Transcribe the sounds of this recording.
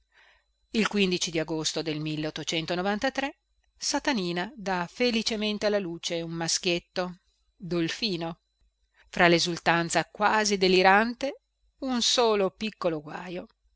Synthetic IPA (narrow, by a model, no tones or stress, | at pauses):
ilkwind̪it͡ʃid̪iaɡost̪od̪elmilːeot̪ːot͡ʃɛnt̪onovant̪at̪ɾe | sat̪aniːnad̪afelit͡ʃement̪ealːaluːt͡ʃeummask̟jet̪ːo | d̪olfiːno | fɾalezult̪ant̪sakwaːzid̪eliɾant̪e | unsoːlopikːoloɡwaːjo